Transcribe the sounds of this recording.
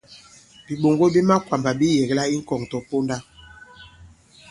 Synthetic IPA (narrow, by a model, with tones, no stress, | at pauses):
bi˨ɓo˨ŋɡo˦bi˦ma˦kwa˨mba˨bi˦jɛ˨ɡla˦i˦ŋ̩˦kɔ˨ŋtɔ˨po˦nda˦